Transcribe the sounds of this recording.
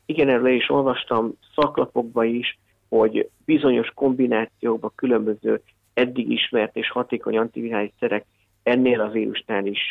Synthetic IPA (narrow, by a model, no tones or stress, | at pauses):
iɡɛnɛɾlɛiʃo̞lvɒʃt̪ɒmsɒklɒpo̞ɡ̚bɒiʃ | ho̞ɟbizo̞ɲo̞ʃko̞mbinaːt̪sijoːɡ̚bɒkylø̞mbø̞zøː | ɛd̪ːiɡḭʃmɛrt̪eːʃhɒt̪eːko̞̰ɲɒnt̪ivinaːlisɛɾɛk | ɛnːeːlɒviːɾṵʃnaːliʃ